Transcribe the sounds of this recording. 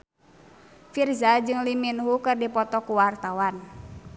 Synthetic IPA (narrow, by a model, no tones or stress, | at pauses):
firzad͡ʒɨŋliminɦukɨrdipɔt̪ɔkuwart̪awan